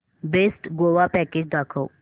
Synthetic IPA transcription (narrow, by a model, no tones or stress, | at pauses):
besʈɡoʋapɛked͡ʑd̪akʰow